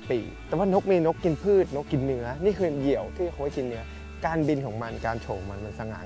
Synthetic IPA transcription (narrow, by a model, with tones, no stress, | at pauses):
pḭː˨˩t̪ɛː˨˩˦waː˥˩no˦˥k̚miː˧no˦˥kːi˧npʰɯː˥˩t̪̚no˦˥kːi˧nːɯ˦˥ɐniː˥˩kʰɯː˧ji˨˩˦əwt̪ʰiː˥˩a˨˩xa˦ha˥˩ki˧nːɯ˦˥ɐ | kaː˧nbi˧nkʰɔː˩˦ŋma˧nkaː˧nt͡ɕʰoː˨˩ŋma˧nma˧nsa˧ŋa̰ː˨˩˦